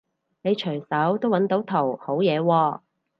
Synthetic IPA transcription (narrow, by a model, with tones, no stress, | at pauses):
ne˨˧jt͡ʃʰɵ˨˩jsɐ˨˥wt̪o˥wɐ˨˥nt̪o˨˥wt̪ʰo˨˩who˨˥wjɛː˨˧wɔː˧